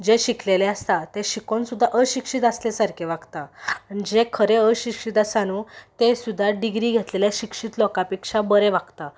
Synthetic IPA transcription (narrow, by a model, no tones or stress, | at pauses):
d͡ʑeɕikʰleleəst̪at̪eɕikonsud̪ʱːaʔəɕikʂit̪əslasaɾkʰeʋaɡt̪aːñid͡ʑekʰəɾeəɕikʂit̪asanut̪esud̪ʱːaɖiɡɾiːɡʱet̪leljaɕikʂiːt̪lɔkapikʂabəɾeʋakt̪a